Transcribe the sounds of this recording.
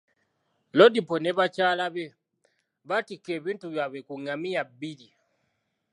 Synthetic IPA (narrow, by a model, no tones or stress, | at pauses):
lodiponeβat͡ʃaːlaβe | βatikːeβiːntuβjaβekuŋamijabili